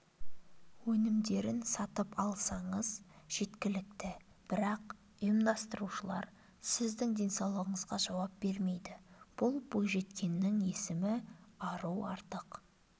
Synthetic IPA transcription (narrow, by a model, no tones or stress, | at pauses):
wɵnɪmd̪e̞ɾɪnsɑt̪əpɑlˠsɑɴəz̥ʒ̥e̞t̪kʲɪlɪk̚t̪ɪ | b̥ɪɾɑq | ʊjəmd̪ɑst̪əɾuʃəlˠɑ̰ɾ | sɪzd̪ɪŋd̪ʲe̞nsɑwlˠəʁəɴəzʁɑʒɑwɑp̚b̥e̞ɾme̞jd̪ɪb̥ʊlˠbojʒe̞t̪kʲe̞nːɪŋe̞sɪmɪɑɾuwɑ̰ɾt̪əq